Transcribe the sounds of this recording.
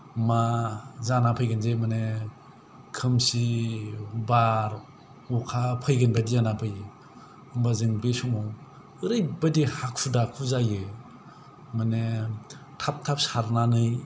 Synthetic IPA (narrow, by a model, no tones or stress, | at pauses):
mazanapʰɯjɡɯnzejmane | kʰɯmsi | baɾ | ukʰapʰɯjɡɯnbadizanapʰɯjɯ | ɯmbazɯŋbesumɔw | ɯɾɯjbadihakʰudakʰuzajɯ | mane | tʰap̚tʰap̚saɾnanɯj